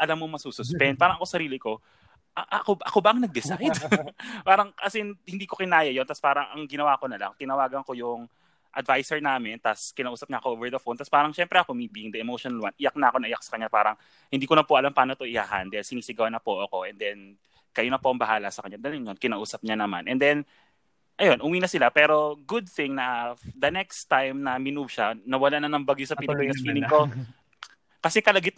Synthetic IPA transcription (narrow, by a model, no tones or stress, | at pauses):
ʔɐlamːoŋmɐsuːsʊspɛnd̪̚paːɾɐŋʔɐko̞sɐɾiːlɪko̞ | ʔɐʔɐkoʔɐkobaʔɐŋnɐɡ̚d̪ɪsajd̪paːɾɐŋkɐsɛhɪnd̪iːkokɪnaːjɐjont̪aspaːɾɐŋʔɐŋɡɪnɐwako̞nɐla̰ŋt̪ɪnɐwaːɡɐnko̞jʊŋ | ʔɐ̰d̪vajsɛɹnaːmɪnt̪askɪnaːʔuːsɐp̚ɲaɐkoʔovɛɹd̪ɐfownt̪aspaːɾɐŋʃɛmpɾɛɐko̞miːbihɪŋd̪ɐʔɛmowʃonɐlwanʔɪjak̚nɐʔɐko̞ɐʔɪjak̚sɐkɐɲapaːɾɐŋ | hɪnd̪iːkonɐpoʔɐlampaːnot̪o̞ʔɪhaːɦa̰nd̪ɛlsɪniːsɪɡɐwɐnɐpo̞ʔɐko̞ʔɛnd̪ɛn | kɐjonɐpoʔɐŋbɐɦaːlɐsɐkɐɲad̪ɐnʊnjonkɪnaːʔuːsɐp̚ɲanɐma̰nʔɛnd̪ɛn | ʔɐjo̞nʔʊwiːnɐsɪlapɛːɾo̞ɡʊd̪̚θɪŋnɐd̪ɐnɛkst̪ːajmnɐmɪnubʃanɐwɐlanɐnɐŋbɐɡjosɐpɪlɪpiːnɐsfiːlɪŋko | kɐsɛkɐlɐɡɪt̪̚